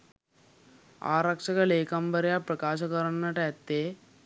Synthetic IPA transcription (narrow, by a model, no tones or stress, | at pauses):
a̰ːɾɐkʂɐkɐɭeːkɐmbɐɾjapɾɐkaːʃɐkɐɾɐɳɐʈɐɐt̪ːeː